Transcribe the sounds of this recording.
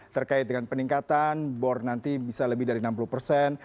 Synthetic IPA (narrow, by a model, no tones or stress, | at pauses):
t̪ərkaɪt̪̚dəŋanpəniŋkat̪anbɔrnant̪ibisaləbɪhdaɾinampuluhpərsɛn